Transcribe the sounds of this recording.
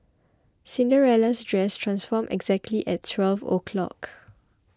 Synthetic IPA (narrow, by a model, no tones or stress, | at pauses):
sĩndəɹɛlasdɹɛstʰɹãnsfɔmɛ̰ɡzɛk̚tʰliʔɛtʰːwɛlvo̰kʰlɔ̰k